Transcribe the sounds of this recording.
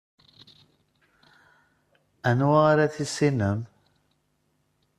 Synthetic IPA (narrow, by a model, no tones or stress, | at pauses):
ænwaʁaɾaθisːinəm